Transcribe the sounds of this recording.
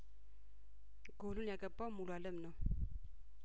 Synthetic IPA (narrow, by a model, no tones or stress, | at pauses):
ɡolunjakɛpɔmulualɛmnɔ